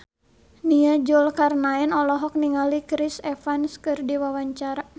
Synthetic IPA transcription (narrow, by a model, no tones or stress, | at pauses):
niad͡ʒɔlkarnaɛnɔlɔɦɔk̚niŋalikɾisɛfanskɨrdiwawaɲt͡ʃaɾa